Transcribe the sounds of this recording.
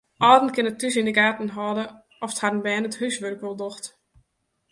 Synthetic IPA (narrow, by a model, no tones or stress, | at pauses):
ʔɔːdn̩kɪnətːysindəɡaːtn̩ɦɔːdə | ʔɔfəthadn̩bɛːnəthysʋørkʋɔlˠdɔxt